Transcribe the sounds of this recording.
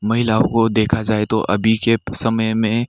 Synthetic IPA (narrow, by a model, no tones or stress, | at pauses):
mɐɦɪlaːõkod̪eːkʰad͡ʒaːet̪oʔɐ̰bʱikesɐməjmẽ